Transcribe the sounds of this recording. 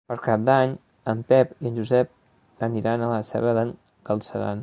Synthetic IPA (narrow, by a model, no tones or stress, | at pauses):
pəɾkap̚d̪aɲ | əmpɛpiənʒuzɛp̚ | bəniɾanələsɛ̰βəðəŋ | kəlˠsəɾa̰n